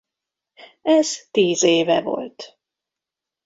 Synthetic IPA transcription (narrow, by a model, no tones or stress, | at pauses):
ɛz̥t̪iːzeːvɛ̰vo̞̰lt̪